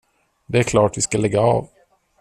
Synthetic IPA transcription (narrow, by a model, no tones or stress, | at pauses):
d̪ɛæɾkʰlɑːʈvɪskalɛɡːaɑ̰ːv